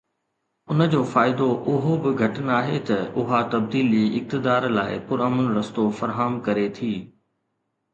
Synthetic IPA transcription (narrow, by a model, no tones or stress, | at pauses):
ʊnə̆d͡ʑoːfaːɪd̪oʔʊɦobɪɡʱɐʈənaːɦet̪ɐʊɦat̪ɐb̚d̪iːliɪk̚t̪ɪd̪aːɾla̰ːɪ̰pʊɾɐməlɾɐst̪ofɐɾɦaːmkɐɾet̪ʰiː